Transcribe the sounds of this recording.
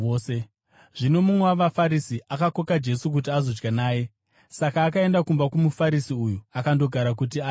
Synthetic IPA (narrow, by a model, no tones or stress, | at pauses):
se | ʐ̥ino̞mumwewaʋafaɾisiʔakako̞kad͡ʒe̞suk̬ut̬iazo̞d͡ʒɡanaːje̞ | sakaːkae̞ndakumbakumufaɾisiujuakando̞ɡʱaɾak̬ut̬ia